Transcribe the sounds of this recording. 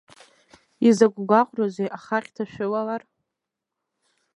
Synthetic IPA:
izaɡʷʼɡʷaqʷʼrozejʔaχaqʲʼtʰaʃᶣʊlalar

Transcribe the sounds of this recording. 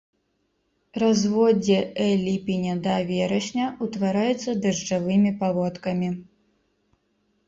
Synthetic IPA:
razvɔd͡zʲɛɛlʲipʲinʲɛd̪ɐvʲɛɾɐɕʲnʲɐut̪vaɾajut̪sːɐd̪ɐʐd͡ʒavɨmʲipavɔt̪kɐmʲi

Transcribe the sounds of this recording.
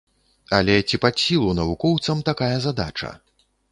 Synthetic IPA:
ɐ̰lʲɛt͡sʲipasʲːilˠunɐvukɔwt̪sɐmt̪akajɐzad̪a̰t͡ʂɐ̰

